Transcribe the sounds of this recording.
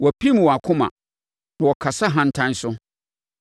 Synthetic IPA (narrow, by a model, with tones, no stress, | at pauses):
wɔ˨pʰi˦m̃˨wɔ˨a˨kʰʊ̃˦mã̰˨ | nã˨wɔ˨kʰa˨sa˦ɦã˦n̩˦tʰã˦n˦sʊ˦